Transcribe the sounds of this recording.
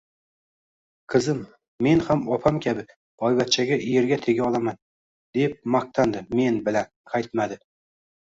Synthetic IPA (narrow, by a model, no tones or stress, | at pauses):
qʰɨzɪmː | e̞nhamɒpʰamkʲʰabɪ | ɒjvat̪̚t͡ʃʰaɡʲaʔijeɾɡʲat̪ʰe̞ɡʲaɒlˠaman | d̪̥e̞p̚maq̚t̪ʰand̪ɪme̞nbɪlanqʰajt̪mad̪ɪ